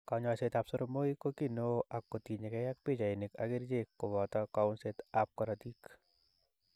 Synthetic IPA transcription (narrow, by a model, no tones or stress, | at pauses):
kaɲaset̪apsoɾomoikokinoakːotiɲekɛjak̚pit͡ʃajnɪka̰ɡiɾd͡ʒekːobɔtɔkaʊnsetap̚kɔɾɔtik